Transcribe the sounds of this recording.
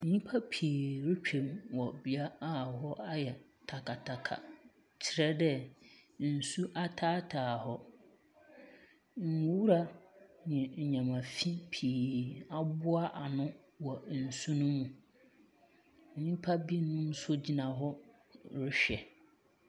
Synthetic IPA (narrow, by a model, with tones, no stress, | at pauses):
ɲ̩˨ɲĩ˦pʰa˦pʰi˨ɾɪ˦t͡ɕᶣʰẽ˨mwɔ˨bi˨a˦a˦˨ɦɔ˦ʔa˦jɛ˨ | tʰa˨kʰa˨tʰa˨kʰa̰˨ | t͡ɕʰɪ˦ɾɛ˦dɛ˦n̩˨su˦ʔa˦tʰaː˦tʰaː˨hɔ˦ | ŋ̩˨u˨˦wu˦ɾa˦nɪ̃˨ɲ˨ɲã˨mã˨fi˦pʰi˨a˨bʊ˦a˦ʔa˨nʊ̃˦ | wɔ˨n̩˨su˦nʊ̃˦mːũ˨ | ɲĩ˦pʰa˦bi˦nʊ̃˦m˦sʊ˦d͡ʑi˦nã˨ɦɔ˦ | ɾɪ˦ɕᶣɛ˨